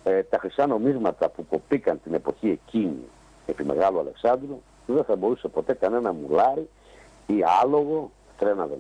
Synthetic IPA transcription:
et̪ɐxɾisɐno̞mizmɐt̪ɐpuko̞pikɐnt̪ine̞po̞çie̞cinḭ | e̞pime̞̰ɣɐloɐle̞ksɐnd̪ɾu | ðeθɐbo̞ɾuse̞po̞t̪e̞kɐne̞nɐmulɐɾi | iɐlo̞ɣo̞ | t̪ɾenɐðe

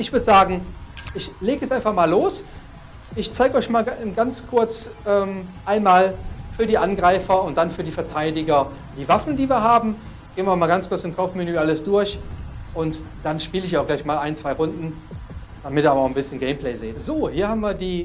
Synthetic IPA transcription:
ʔɪçv̥ʏɐdəzaːɡŋ̩ʔɪçleːɡəɛsʔaɪnfaχmaːlːoːs | ʔɪçt͡saɪɡəɔʏçmaːlɡant͡skʰʊɐt͡sʔɛːmʔaɪnmaːlfyːɐdiːʔanɡʁaɪfɐʊnt̚d̥anfyːɐdiːfɛɐtʰaɪdɪɡɐ | d̥iːvafn̩diːviːɐɦaːbm̩ | ɡ̥eːnviɐamaːlɡant͡skʊɐt͡sɪmkʰaʊfmenyːʔaləsd̥ʊɐçʔʊnt | d̥anʃpiːləɪçaʊɡ̥laɪçmaːlʔaɪnt͡sv̥aɪʁʊndn̩ | d̥amɪtiːɐabɐaʊxn̩bɪsçənɡeɪmplɛɪzeːtz̥oːhiːɐhaːbm̩viːɐdiː

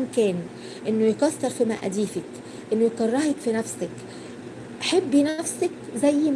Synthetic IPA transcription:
mkɛːn | ʔɪnːʊjkɑsːɑɾˤfimaʔd̪iːfak | ʔɪnːʊjqɑrˤːɑhɪkfinafsɪk | ʔaħɪbːjnafsɪkzæjːm

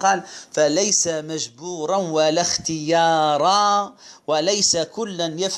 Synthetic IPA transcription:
qɑːlfalajsamaʒbuːɾˤɑnwalaxt̪ɪjɑːɾˤɑwalajsakʊlːanjaf

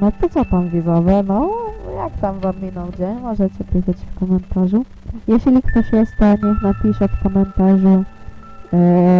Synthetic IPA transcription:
nɔt̪ɔt͡s̪ɔp̪amvʲivɔvɛnɔjakt̪amvamːʲinɔwd͡ʑɛmɔʐɛt͡ɕɛpʲixat͡ɕfkɔmɛnt̪aʐu | jɛɕlʲikt̪ɔɕjɛst̪ɛɲɛxnapʲiʂɛfkɔmɛnt̪aʐu

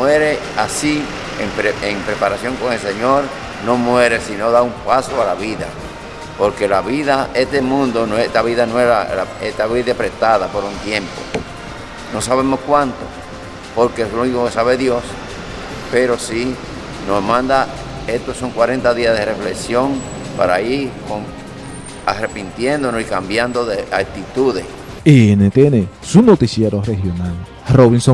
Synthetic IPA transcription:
mweɾe̞ | asi | empɾeeŋpɾe̞paɾasjo̞ŋko̞ŋe̞lse̞ɲo̞ɾ | no̞mwe̞ɾe̞sino̞ðaumpasoalaβiða̰ | po̞ɾke̞laβiðaʔe̞ht̪emũnd̪o̞noet̪aβiðanoealeht̪aβiðepɾe̞ht̪aðapo̞ɾunt̪je̞mpo̞̰ | no̞saβ̞e̞mo̞skwãnt̪o̰ | poɾkeesunikokesaβeðjos | peɾosi | nohmãnd̪a | et̪osoŋkwaɾe̞nt̪aðiaðerefleksjo̞ŋ | pa̰ɾaiɾkoŋ | a̰repint̪jend̪onosikambjand̪oðeʔalt̪it̪uðes | eenet̪jene | sunot̪isjeɾorehjonal | roβinso

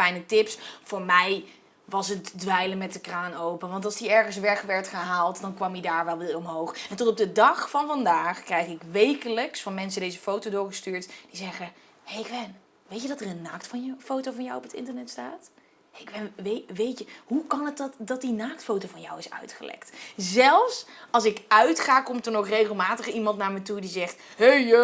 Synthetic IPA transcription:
fɛjnətɪpsfoːɹmɛj | ʋɑsətdʋɛjləmɛtdəkraːnowpənʋɑntɑlˠsdiɛɹχəns̬ʋɛχʋɛɹtχəɦaːlˠtdɑnkʋɑmidaːɹʋɛlˠʋɪɔmɦowχɛntɔtɔp̚dədɑχfɑnvɑndaːχkrɛjχɪkʋejkələksfɑnmɛns̬ədejzəfowtodʊːɹχəstyːɹtd̥izɛχə | hejkʋɛn | ʋejtjədɑtərənːaːktfɑnjfowtowvɑnjawɔpətɪ̰ntəɹnɛtstaːt | eɪkʋɛnʋeʋejtəɦukɑnətdtdɑt̚dinaːktfowtowvɑnja̰wɪsœ̰ɥtχə̰lɛ̰ktzɛlˠfsɑlˠsɪkœɥtχaːkɔmtəɹnoχrejχəlˠmaːtəχimɑntnaːɹmətudizɛχthe

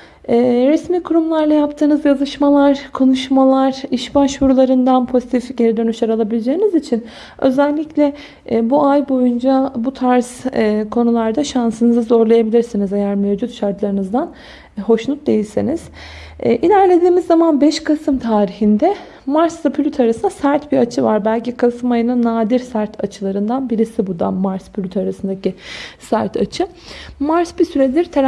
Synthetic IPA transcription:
ɛːɾɛsmiːkʰuɾumlˠaɾlˠajapt̪ʰɯːnɯzjazɯʃmalˠaɾkʰo̞nuʃmalˠaɾ̥iʃbaʃvuɾulˠaɾɯnd̪anpʰo̞zit̪ʰifɟe̞ɾid̪ø̞nyʃaɾalˠabilʲed͡ʒe̞ːinizit͡ʃʰin | ø̞̰zælʲːiclʲɛ | buajbo̞jund͡ʒabut̪ʰaɾz̥kʰo̞nulˠaɾd̪aʃansɯnɯzɯzo̞ɾlˠajabilʲiɾsinizejæɾmevd͡ʒut̪ʃaɾt̪lˠaɾɯnɯzd̪an | ɦo̞ʃnˠut̪̚d̪e̞jilʲsiniz̥ː | ʔilʲæɾlʲe̞d̪iːmizːamanbɛʃkʰasɯmt̪ʰaːɾiçind̪ɛ | maɾslapʰylʲyt̪ʰaɾasɯnd̪asæɾt̪biɾat͡ʃʰɯva̰ɾbælʲcikʰasɯmajɯnanaːd̪iɾsæɾt̪ʰat͡ʃʰɯlˠaɾɯnd̪anbiɾisibud̪a̰maɾspʰylʲyt̪ʰaɾasɯnd̪acisæɾt̪ʰa̰t͡ʃʰɯ | maɾsbisyɾed̪ʲiɾt̪ʰ

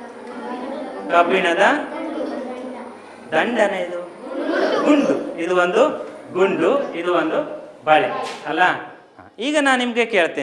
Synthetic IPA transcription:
kɐpiɳɐd̪ɐ | d̪ɐɳɖɐnɐid̪u | ɡuɳɖuid̪uʋond̪uɡuɳɖuid̪uʋond̪ubɐɭeɐlːɐ | iːɡɐnaːnnimɐɡekeːɭt̪eː

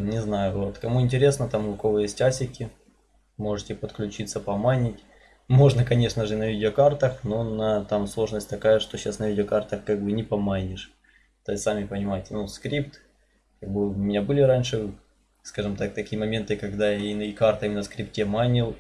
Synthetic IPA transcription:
nʲɪznajʊvo̞t̪kɐmuɪnʲtʲɪɾʲe̞snət̪amlʊkovəjesʲtʲasʲɪkʲɪ | mo̞ʐɨtʲɪpət̪klʲʉt͡ɕit̪səpɐmanʲɪtʲ | mo̞ʐnəkɐnʲe̞ʂnəʐɨnəvʲidʲɪokart̪əxnonət̪amslˠo̞ʐnəsʲt̚ʲt̪ɐkajəʂt̪oɕːasnəvʲidʲɪokart̪əxkaɡ̚bɨnʲɪpɐmanʲɪʂ | t̪osamʲɪpənʲɪmajɪtʲnuskɾʲipt̪ | kaɡ̚bɨʊʊmʲɪnʲabɨlʲɪɾanʲʂɨ | skaʐɨmt̪ak̚t̪ɐkʲijəmɐmʲe̞nt̪ɨkɐɡd̪ajainikart̪ɐimʲɪnəskɾʲip̚tʲemanʲɪlˠ

